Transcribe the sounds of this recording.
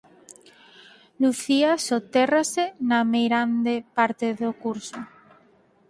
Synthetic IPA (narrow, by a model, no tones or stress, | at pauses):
luθiasot̪erasenamejɾand̪epaɾt̪eðokuɾso